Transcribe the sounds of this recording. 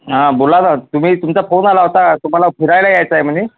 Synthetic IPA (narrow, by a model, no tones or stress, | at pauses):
ɦãbolanat̪um̤iːt̪umt͡safonalaɦot̪at̪um̤alafʰiɾajlajajt͡saɦem̤əni